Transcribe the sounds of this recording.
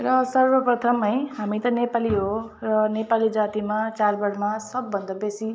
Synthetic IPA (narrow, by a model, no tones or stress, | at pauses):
rʌsʌrbʌprʌt̪ʰʌmɦʌj̃ɦamit̪ʌnepaliɦorʌnepalid͡zat̪imat͡salbʌɽmasʌbːʌnd̪ʌbesi